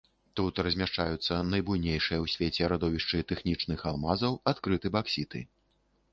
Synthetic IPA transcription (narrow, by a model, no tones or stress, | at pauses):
t̪ut̪rɐzʲmʲaʂt͡ʂajut̪sːɐnɐjbujnʲejʂɨjɐwsʲvʲet͡sʲɛɾad̪ɔvʲiʂt͡ʂɨt̪ɛxnʲit͡ʂnɨxalˠmazɐwat̪kɾɨt̪ɨbaksʲit̪ɨ̰